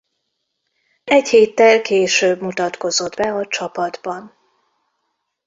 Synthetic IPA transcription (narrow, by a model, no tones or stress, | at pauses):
ɛcheːt̪ːɛlkeːʃøːbmut̪ɒt̪ko̞zo̞d̪bɛɒt͡ʃɒpɒd̪bɒn